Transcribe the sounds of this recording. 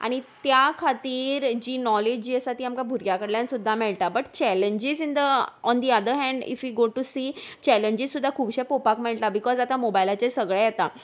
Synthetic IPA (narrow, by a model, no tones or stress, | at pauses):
a̰ɽ̃it̪jakʰat̪iːɾd͡ʑiːnɔled͡ʑd͡ʑiːəsat̪iːamkabʱuɾɡjakəɽljãnsud̪ʱːamɛɭʈ̪abəʈ̚t͡ɕɛleɲd͡ʑizind̪əɔnd̪iad̪əɾɦɛ̃ɳɖḭfʋiɡoʈusiːt͡ɕɛleɲd͡ʑizsːud̪ʱːakʰuːbɕepopakmɛɭʈ̪abikɔzat̪amobajlat͡ɕesəɡɭejet̪a